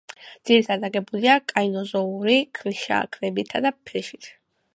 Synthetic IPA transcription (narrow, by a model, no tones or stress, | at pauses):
d̪̥z̥iɾit̪ʰad̪aɡɛbuliakʼainɔzɔuɾikʰliʃa̰kʰʼɾɛbit̪ʰad̪apʰɾɛʃit̪ʰ